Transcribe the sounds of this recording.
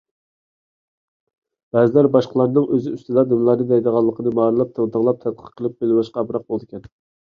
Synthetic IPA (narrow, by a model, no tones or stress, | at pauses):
b̥ɛzɪlæɾbɑʃqʰəlˠɑɾnɨŋøzɪyst̪ɨd̪ɑnemɪlˠɑɾnɨd̪ɛjd̪əʁɑlˠːəqʰənɨmɑːɾɨlˠɑp̚t̪ʰəʁt̪əŋlˠɑp̚t̪ʰɛt̪̚qʰə̥qqʰːəlˠɨp̚belɪwɑʃqɑbɾɑq̚bolˠd̪ɪkʲʰɛn